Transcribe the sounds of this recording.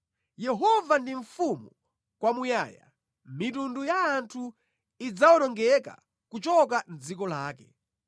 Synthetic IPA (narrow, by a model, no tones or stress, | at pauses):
jɛɦɔvandiɱfumu | kwamujaːja̰ | mit̬undujaːntʰu | id͡zawɔtɔŋɡɛka̰ | kut͡ʃɔkand͡zikɔlaːkɛ